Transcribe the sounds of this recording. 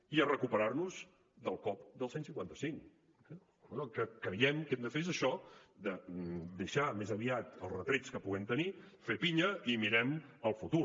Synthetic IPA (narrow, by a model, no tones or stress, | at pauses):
iərəkupəɾarnuz | d̪əlˠkɔpd̪əlˠsensiŋkwant̪əsiŋk | kəkɾəjɛmkɛmd̪əfezəʃɔd̪əd̪əʃamezəβiat̪əlˠzrət̪ɾet͡skəpuɣɛmt̪əni | fepiɲəimiɾɛməlˠfut̪u